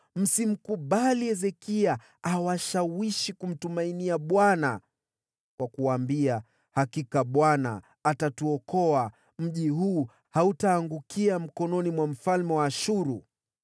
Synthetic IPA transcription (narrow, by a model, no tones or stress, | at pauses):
m̩sim̩kuɓaliɛzɛkia | awaʃawiʃikum̩tumainiaɓwana̰ | kwʔakuwambia | hakikaɓwana̰ː | tatuɔkɔa | m̩ʄiɦuː | hautaːŋɡukiam̩kɔnɔnimwam̩falmɛwaːʃuɾu